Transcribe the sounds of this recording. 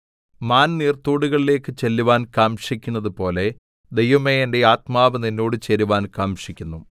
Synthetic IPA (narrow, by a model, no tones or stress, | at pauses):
maːnniːrt̪uːɽuɣɐɭile̞ːkːɨt͡ɕelːuʋaːnkaːmʂikʲːunːɐðɨpo̞ːle̞ | d̪e̞jʋɐmeende̞aːt̪maːʋɐninːoːɽɨt͡ɕeɾuʋaːnkaːmʂikʲːunːu